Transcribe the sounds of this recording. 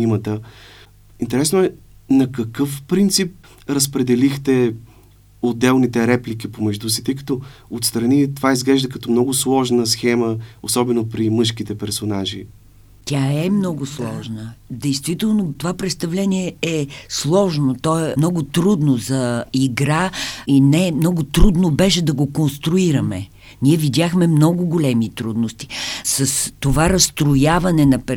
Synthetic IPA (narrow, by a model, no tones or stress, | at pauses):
imət̪ə | int̪ɛɾɛsnʊɛnɐkɐkɤfpɾint̪sip̚ | ɾɐspɾɛd̪ɛlixt̪ɛ | od̪ːɛlˠnit̪ɛɾɛplik̟ipomɛʒd̪usi̥t̪əjkə̥t̪ɔot̪st̪ɾɐnit̪ovaizɡlɛʒd̪əkɐt̪ɔmnɔɡʊslˠɔʒnəsxɛməosɔbɛnopɾimɤʃkit̪ɛpɛɾsonaʒḭ | t̪ʲaɛmnɔɡʊslˠɔʒnəd̪ɛjst̪vit̪ɛlˠnot̪ovapɾɛt̪st̪ɐvlɛniɛɛslˠɔʒnot̪ɔɛmnɔɡʊt̪ɾud̪nozɐiɡɾainɛmnɔɡʊt̪ɾud̪nobɛʃɛd̪ɐɡokonst̪ɾʊiɾɐmɛ | nʲiɛvidʲjaxmɛmnɔɡʊɡolɛmit̪ɾud̪nost̪i̥sɐst̪ovaɾɐst̪ɾojavɐnɛnɐpɛ